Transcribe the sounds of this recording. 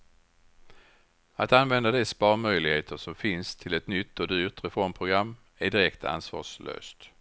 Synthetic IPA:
at̪anvɛnd̪ad̪ɛspɑːɾmœjlɪɡheːt̪ʰəʂɔmfɪnst̪ʰɪlɛt̪nʏt̪ːɔd̪yːɾt̪ɾɛfɔɾmpʰɾʊɡɾamː | æɖɪɾɛkt̪ʰa̰nsvɑ̰ːʂlø̰ːst̪

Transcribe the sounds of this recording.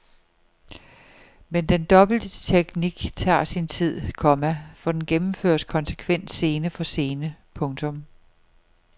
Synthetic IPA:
mend̥end̥ɒ̽b̥l̩d̥ət͡sʰeɡ̥niɡ̥t͡sʰɑ̰̈ːsint͡sʰið̞̰ˠkʰɒ̽mæfɒ̽d̥enɡ̥emm̩fø̰ɐ̰skʰɒ̽nsə̥kʰʋen̰d̥se̝ːnəfɒ̽se̝ːnəpʰɔ̽ŋt͡sʰɔ̽m

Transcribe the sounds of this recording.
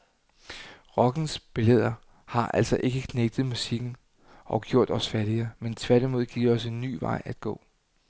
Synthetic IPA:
ʁɒ̽ɡ̥n̩sb̥e̝leð̞̰ˠɐ | hɑ̈ʔæl̰sɒ̽ʔe̝ɡ̥əkʰneɡ̥ð̞̩ˠmusiɡ̥n̩ | ʔɒ̽ɡ̥jo̝ɐ̰d̥ɒ̽sfæɐɾ̥iəment͡sʰʋæɐɾ̥imo̝ð̞ˠɡ̥ḭɐɒ̽senːy̰ːʋɑ̈ɪ̰æd̥ɡ̥ɔ̰̽ː

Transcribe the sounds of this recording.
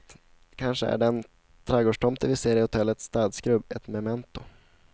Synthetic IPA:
kʰanʂəæ̰ɖɛn | t̪ʰɾɛɡoːʂʈʰɔmt̪əvɪseːɾɪhʊt̪ʰɛlːət̪sːt̪ɑːd̪skɾɵbɛt̪mɛmɛnt̪ʊ

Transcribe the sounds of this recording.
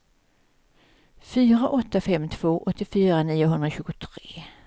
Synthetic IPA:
fyːɾaʔɔt̪ːafɛmt̪ʰv̥oːʔɔt̪ːɪfyːɾaniːjʊɦɵnd̪ɾaɕʉ̟ːɡʊt̪ʰɾeː

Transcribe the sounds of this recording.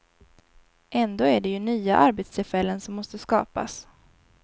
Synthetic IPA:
ʔɛnd̪oːæɖɛjɵnyːa̰ʔaɾbet̪st̪ʰɪlfɛlːənsɔmːɔst̪əskɑ̰ːpa̰s

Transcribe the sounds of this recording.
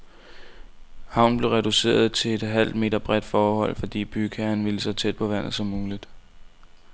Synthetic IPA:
hɑ̈ʊ̰nb̥le̝ʊʁɛd̥use̝̰ːɐð̞̩ˠt͡sʰe̝le̝d̥ɦæl̰d̥me̝̰ːdɐb̥ʁɛd̥fɒːhɒ̽l̰fɒ̽d̥ḭːb̥ykʰæɐnʋiləsɒt͡sʰed̥̚pʰɒ̽ʋæn̰ð̞̩ˠsɒ̽mːuːlid̥

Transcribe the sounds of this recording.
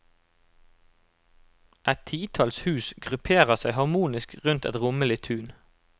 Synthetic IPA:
ʔɛt̪t̪ʰiːt̪ʰɑlshʉːsɡʁʉpʰeːʁəʁsæɪhɑʁmuːnɪskʁʉnt̪ɛ̰t̪ʁʊməlɪt̪ʰʉːn

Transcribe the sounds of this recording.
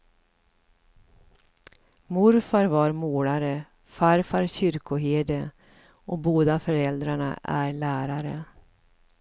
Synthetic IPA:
mʊɾfaɾvaɾmoːlaɾə | faɾfaɾɕʏɾkʊɦeːd̪ə | ʔɔboːd̪afœɾɛld̪ɾaɳa̰ʔæ̰ɾɭæːɾaɾə

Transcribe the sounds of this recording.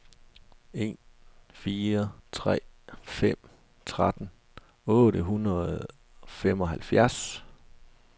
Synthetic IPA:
e̝̰ːnfiːɐt͡sʰʁɛ̰ːfem̰ | t͡sʰʁad̥n̩ | ɔ̽ːɾəɦunɐð̩ˠ | fem̰ɒ̽ɦælfjæɐs

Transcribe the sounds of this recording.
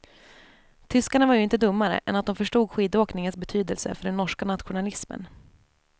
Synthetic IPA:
t̪ʰʏskaɳavaɾjɵɪnt̪əd̪ɵmːaɾə̰ʔɛ̰nat̪̚d̪ɔmfœʂʈuːɡɧiːd̪oːknɪŋənsbɛt̪ʰyːd̪əlsə̰fœɖɛnːɔʂkanat̪ɧʊnalɪsmə̰n

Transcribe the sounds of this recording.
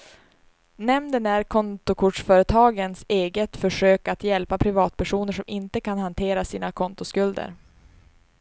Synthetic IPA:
nɛmd̪ənæɾkʰɔnt̪ʊkʰʊʈʂfœːɾət̪ʰɑːɡənseːɡət̪fœʂøːkat̪jɛlpapʰɾɪvɑːt̪̚pʰæʂuːnəʂɔmɪnt̪əkʰanhant̪ʰeːɾasiːnakʰɔnt̪ʊskɵld̪ə̰ɾ

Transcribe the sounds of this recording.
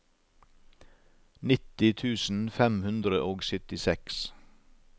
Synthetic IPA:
nɪt̪ɪt̪ʰʉːsn̩fɛmhʉnd̪ɾəʔoːɡsœt̪ɪsɛks

